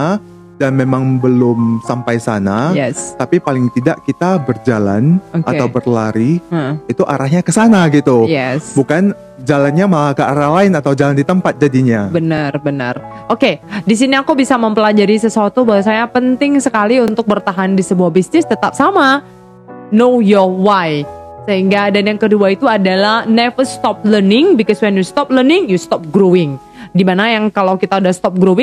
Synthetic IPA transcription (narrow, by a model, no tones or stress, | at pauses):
danmemaŋbəlʊmsampajsanajɛst̪apipalɪŋt̪idaʔkit̪abərd͡ʒala̰nkʔa̰awbərlaɾiit̪uʔaɾahɲakəsanaɡit̪ujɛsbukan | d͡ʒalanɲamaakəaɾahlaɪnat̪awd͡ʒalandit̪əmpat̪̚d͡ʒadiɲabənərbənərʔokedisiniakubisaməmpəlad͡ʒaɾisəsuat̪ubawas̬ajapənt̪ɪŋsəkaliunt̪ʊk̚bərt̪aɦandisəbuahbisnɪst̪ət̪ap̚sama | nojɔwajsəɦiŋɡadanjaŋkəduait̪uadalahnɛfəst̪ɔp̚lənɪŋbikɔswɛnjust̪ɔp̚lənɪŋjust̪ɔp̚ɡɾowɪŋ | dimanajaŋkalawkit̪audahst̪ɔp̚ɡɾowɪŋ